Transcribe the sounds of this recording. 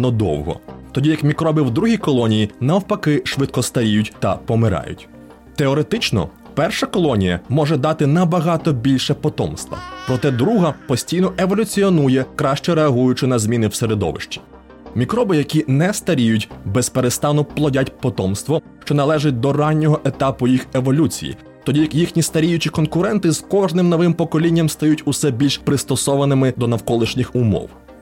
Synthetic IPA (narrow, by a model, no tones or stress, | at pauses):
nɔd̪ɔ̰wɦɔ̰t̪ɔdʲijɐkmʲikɾɔbɪwd̪ɾuɦijkɔlˠɔnʲijinɐwpɐkɪʃʋɪt̪̚kɔst̪ɐɾʲijʊtʲt̪ɐpɔmɪɾɑ̰jʊ̰tʲ | t̪eɔɾet̪ɪt͡ʃnɔ̰ | pɛrʃɐkɔlˠɔnʲijɐmɔʒɛd̪ɑt̪ɪnɐbɐɦɑt̪ɔbʲilʲʃɛpɔt̪ɔmst̪ʋɐ̰pɾɔt̪ɛd̪ɾuɦɐpɔsʲtʲijnɔeʋɔlʲʊt͡sʲiɔnujɛkɾɑʃt͡ʃɛɾeɐɦujʊt͡ʃɪnɐzʲmʲinɪwseɾed̪ɔ̰ʋɪ̰ʃt͡ʃʲi̥ | mʲikɾɔbɪjɐkʲinɛst̪ɐɾʲijʊtʲbɛspeɾest̪ɑnʊplˠɔdʲatʲpɔt̪ɔmst̪ʋɔ | ʃt͡ʃɔnɐlˠɛʒɪt̚ʲd̪ɔrɑnʲːɔɦɔʔet̪ɑpʊjixe̞ʋɔlʲut͡sʲḭjḭ | t̪ɔdʲijɐkjixnʲist̪ɐɾʲijʊt͡ʃʲikɔnkʊɾɛnt̪ɪz̥kɔʒnɪmnɔʋɪmpɔkɔlʲinʲːɐmst̪ɐjutʲʊsɛbʲilʲʃpɾɪst̪ɔsɔʋɐnɪmɪd̪ɔnɐwkɔlˠɪʃnʲɪxʊmɔ̰w